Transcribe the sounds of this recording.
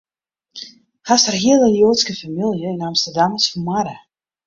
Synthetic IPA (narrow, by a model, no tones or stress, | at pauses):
hasarɦiəlˠəljoːtskəfamilˠjəɪnamstərdaməsfɔmaɾə